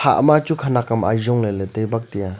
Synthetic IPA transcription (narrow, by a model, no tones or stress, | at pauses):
ha̰ʔmat͡ʃukʰanakama̰jzɔŋleletejbak̚tija